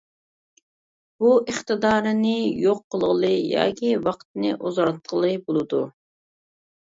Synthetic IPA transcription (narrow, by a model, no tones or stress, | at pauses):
b̥uəχt̪ɨd̪ɑːɾɨnɪjoqːəlˠʁəlˠɨjɑ̰ːkʲiwɑqt̪nɨ̰ʔozɑɾt̪̚qʰəlˠɨbolˠɨd̪u